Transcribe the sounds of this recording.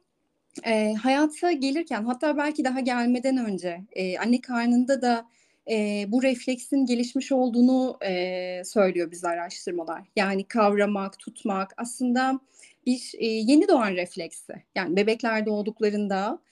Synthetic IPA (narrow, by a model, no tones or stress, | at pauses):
ɛːɦajaːt̪ʰaɟe̞lʲiɾcʰænɦat̪ʰːaːbælʲcid̪aɦaɟælʲme̞d̪ænø̞nd͡ʒɛːa̰nːɛkʰaɾnɯnd̪ad̪a | ɛbuɾɛflʲɛcsinɟe̞lʲiʃmiʃo̞lˠd̪uːnuɛsø̞jlʲijo̞bizʲɛaɾaʃt̪ʰɯɾmalˠa̰ɾ̥jaːnikʰavɾamakt̪ʰut̪makaslˠɯnd̪a | b̥iɾɛːje̞nid̪o̞anɾɛflʲɛcsɪ̰jaːnibe̞bɛclʲæɾd̪ɛo̞lˠd̪uklˠaɾɯnd̪a